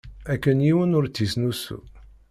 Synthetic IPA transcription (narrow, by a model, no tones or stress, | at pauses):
ækːənjiwənʊɾt͡sːisnusṵ